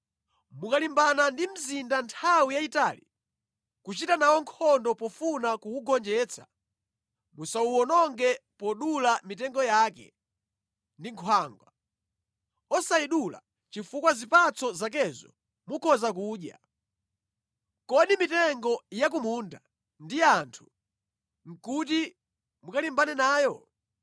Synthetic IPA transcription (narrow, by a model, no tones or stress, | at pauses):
mukalimbanandim̩zindantʰawijaita̰ːli | kut͡ʃitanawɔŋkʰɔndɔpɔfunakuuɡɔnd͡ʒɛt͡sʰḁ | musauwɔnɔŋɡɛpɔɗulamitɛŋɡɔjaːkɛ̰ | ndiŋkʰwaːŋɡwa | ɔsaiɗula̰ | t͡ʃifukwazipat͡sɔzak̬ɛzɔ̰ | mukʰɔzakuːɗja̰ | kɔɗimitɛŋɡɔjak̬umunda | ndiantʰu̥ | ŋ̩kut̬i | mukalimbanɛnaːjɔ